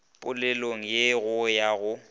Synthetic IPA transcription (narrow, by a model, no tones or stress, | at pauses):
pʼʊlɛloŋ̩jeɣʊjaɣʊ